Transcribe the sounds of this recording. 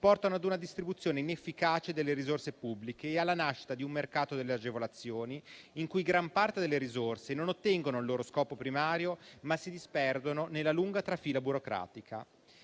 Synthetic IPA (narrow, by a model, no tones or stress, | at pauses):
pɔrt̪anoad̪unad̪ist̪ɾibut̪sːjoːneinefːikaːt͡ʃed̪elːeɾizorsepubːlikeːalːanaʃːi̥t̪ad̪iumːerkaːt̪od̪elːead͡ʒevolat̪sːjoːniːŋkujɡɾampart̪ed̪elːeɾizorsenonot̪ːɛŋɡonoilːoːɾoskɔːpopɾimaːɾjomasid̪ispɛrd̪ononelːaluŋɡat̪ɾafiːlabuɾokɾa̰ːt̪ikʰa̰